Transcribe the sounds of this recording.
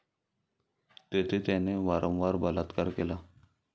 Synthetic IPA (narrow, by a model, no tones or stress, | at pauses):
t̪et̪ʰet̪aneʋaɾʔə̃wʋaɾbəlat̪kəɾkela